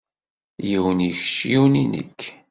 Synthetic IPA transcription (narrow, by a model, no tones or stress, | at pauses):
jiwənjəçʃiwninə̰kː